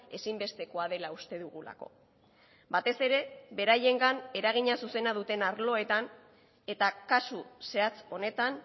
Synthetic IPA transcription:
e̞simbe̞st̪e̞ko̞að̞e̞laust̪e̞ðuɣula̰ko̞̰ | bat̪e̞se̞ɾe̞βe̞ɾaje̞ŋɡane̞ɾaɣ̞iɲasuse̞nað̞ut̪e̞naɾlo̞e̞t̪an | e̞t̪akasuse̞at͡so̞ne̞t̪an

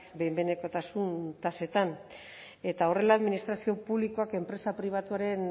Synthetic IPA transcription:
bejmbene̞ko̞t̪asunt̪ase̞t̪an | e̞t̪ao̞re̞laːðminist̪ɾasio̞puβlikoake̞mpɾe̞sapɾiβ̞at̪uaɾe̞n

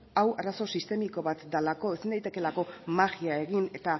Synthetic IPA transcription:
awaraso̞sist̪e̞miko̞βat̪d̪alako̞esind̪ajt̪e̞ke̞lako̞maɣiae̞ɣine̞t̪a

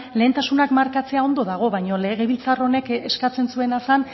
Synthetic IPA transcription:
le̞ːnt̪asunakmaɾkat͡se̞ao̞nd̪o̞ðaɣ̞o̞βajɲo̞le̞ɣe̞βilt͡saro̞ne̞keskat͡se̞nsue̞nasan

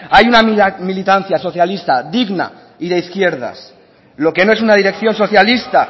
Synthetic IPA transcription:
ajunamilit̪an̟θjaso̞θjalist̪aðiɣna̰ | iðe̞iθkje̞ɾða̰s | lo̞ke̞no̞e̞sunaðiɾe̞kθjo̞nso̞θjalist̪a

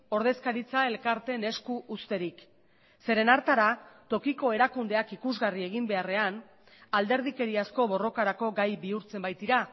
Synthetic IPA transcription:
o̞ɾð̞e̞skaɾit͡sae̞lkaɾt̪ene̞skuʔust̪e̞ɾik | se̞ɾe̞naɾt̪aɾat̪o̞kiko̞e̞ɾakund̪e̞akikuzɣarie̞ɣ̞imbe̞are̞an | ald̪e̞ɾð̞ike̞ɾiasko̞βo̞ro̞kaɾako̞ɡajbiuɾt͡se̞mbajt̪iɾa

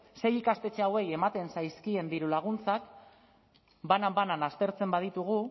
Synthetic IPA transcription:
se̞jikast̪e̞t͡ʃeawe̞je̞mat̪e̞nsajskie̞nd̪iɾulaɣ̞unt͡sak | banabananast̪e̞ɾt͡se̞mbað̞it̪uɣ̞u

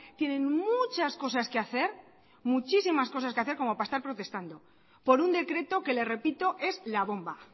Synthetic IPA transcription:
t̪je̞nẽ̞nmut͡ʃasko̞saske̞aθe̞ɾ | mut͡ʃisimasko̞sas̬ke̞aθe̞ɾko̞mo̞paest̪aɾpɾo̞t̪e̞st̪and̪o̞ | po̞ɾund̪e̞kɾe̞t̪o̞ke̞le̞sre̞pit̪o̞ʔe̞zlaβ̞o̞mba

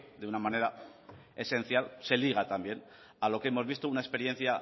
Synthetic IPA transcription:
d̪eunamane̞ɾa | e̞sẽ̞n̟θjalse̞liɣ̞at̪ambje̞n | alo̞keemo̞zβ̞ist̪ounaespe̞ɾjẽ̞n̟θja

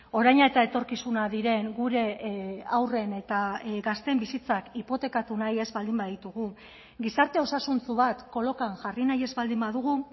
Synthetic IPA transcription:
o̞ɾajɲaet̪aet̪o̞ɾkisunaðiɾe̞ŋɡuɾe̞awre̞ne̞t̪aɡast̪e̞mbisit͡sakipo̞t̪e̞kat̪unaje̞zβald̪imbaðit̪uɣu | ɡisaɾt̪e̞o̞sasunt͡suβat̪ko̞lo̞kaŋʝarinaje̞zβald̪imbaðuɣ̞u

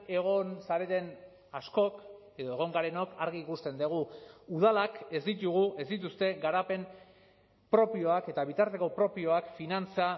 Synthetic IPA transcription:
e̞ɣ̞o̞nsaɾe̞t̪e̞n | asko̞k | e̞ðo̞e̞ɣ̞o̞ŋɡaɾe̞no̞kaɾɣiːkust̪e̞nd̪eɣ̞uːð̞alake̞zd̪it̪uɣ̞ue̞zd̪it̪̬ust̪e̞ɡaɾape̞n | pɾo̞pio̞ake̞t̪aβ̞it̪aɾt̪e̞ko̞pɾo̞pio̞akfinant͡sa

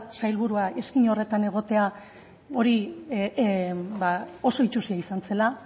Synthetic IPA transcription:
sajlβuɾuaʔe̞skiɲore̞t̪ane̞ɣ̞o̞t̪e̞a | o̞ɾi | bao̞so̞it͡ʃusiaisant͡se̞la

